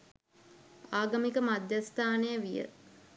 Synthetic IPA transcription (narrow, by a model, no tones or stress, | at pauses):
aːɡəmikəmad̪jast̪aːnejəʋijə̰